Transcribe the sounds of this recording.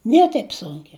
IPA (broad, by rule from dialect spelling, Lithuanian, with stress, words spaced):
ˈnʲiɛ tɐɪp ˈsʊŋʲkʲɛ